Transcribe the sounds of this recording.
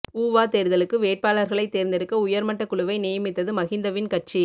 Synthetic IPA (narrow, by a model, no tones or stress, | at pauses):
uːʋaːt̪eːɾɯðɐlɯkːɯʋeːʈ̚paːlɐɾɣɐɭɐɪt̪ːeːɾnd̪ɪɾɯkːɐʊjɐɾmɐʈːɐkːʊɭɯʋɐɪneːjɐmɪt̪ːɐðɯmɐɣɪnd̪ɐʋɪnkɐʈ̚t͡ʃi